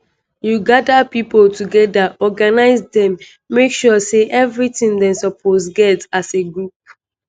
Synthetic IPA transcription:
juɡadapipoltʰuɡɛdaʔɔɡanaɪzdɛ̃mː | ekʃɔseʔɛvɹitĩndɛ̃nsɔpʰosɡɛtaseɡɹup̚

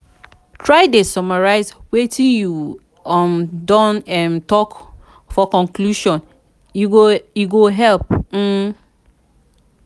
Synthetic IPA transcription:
tʰɹaɪdesɔmaɹaɪzwetʰĩju | ɔmdɔ̃nɛmtɔk | fɔkɔ̃ŋkluʃɔ̃n | uojuɡoɦɛlp̚m̩

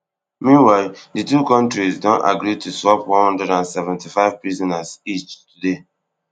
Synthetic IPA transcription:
mĩnwaɪlditukɔ̃ntɹisdõna̰ɡɾitʰuswɔpwɔ̃nhɔ̃ndɹɛdãnsɛvɛ̃ntifaɪv̥pɹizɔ̃nasit͡ʃtude

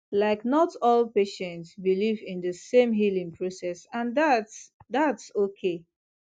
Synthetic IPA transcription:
laɪknɔtɔlpeʃɛ̃ntsbilivɪ̃ndəsẽmɦilĩŋpʰɹosɛsãndatsðatsokʰe

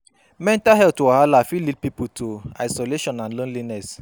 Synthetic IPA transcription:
mɛ̃ntaɦɛltuahalafilidpiputʰoaɪsɔleʃɔ̃nãnlõnlinɛs

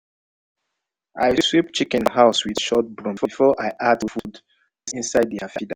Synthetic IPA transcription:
aɪswipt͡ʃikɛ̃nhaʊswið̥ʃɔt̚bɹɔ̃mfɔfɔʔaɪʔatufud | sĩnsaɪd̚ðiafida

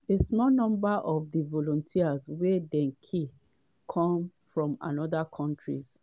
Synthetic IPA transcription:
esmɔnɔ̃mbaʔɔvdivɔlɔ̃ntʰiazwɛdɛ̃ŋkʰi | kʰɔ̃mfɹɔ̃ma̰nɔðakʰɔ̃ntɹḭz

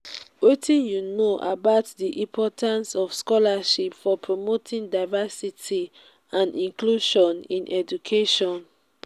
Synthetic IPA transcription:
wetʰĩnjunoʔabaʊtdiʔĩmpʰɔtãnsɔfskɔlaʃipfɔpʰɹomotʰĩŋdaɪvasitʰi | ãnĩŋkluʃɔ̃nḭ̃nʔɛd͡ʒukʰeʃɔ̃n

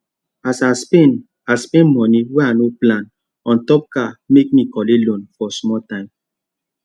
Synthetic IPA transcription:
asaspen | aspẽnmɔniwɛanoplãn | ɔ̃ntɔp̚kamek̚mikɔlelõnfɔsmɔltãɪ̃m

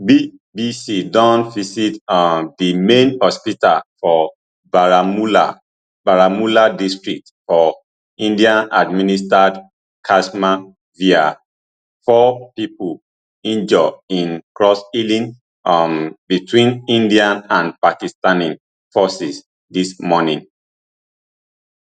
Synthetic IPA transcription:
bi | bisidɔ̃nvisitdimẽnhɔspita̰lfɔ | baɹamula̰ | baɹamuladistɹik̚tfɔ | ĩndiãnadministad | kʰasma | via | fɔpipul | ĩnd͡ʒɔĩnkɹɔsilĩn | mbitʰwĩnĩndiãnãnpakistanĩn | fɔsis | dismɔnĩn

